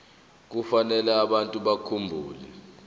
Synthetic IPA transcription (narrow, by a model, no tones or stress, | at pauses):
k̬ufanɛlɛaɓantʼuɓakʰumbʱuːlɛ